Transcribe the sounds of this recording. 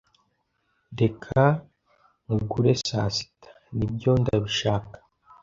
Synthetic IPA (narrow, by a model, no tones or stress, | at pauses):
de̞kʰa | ŋuɡuɾe̞saːsi̥tḁnibɟo̞ndaɾuʃaːkḁ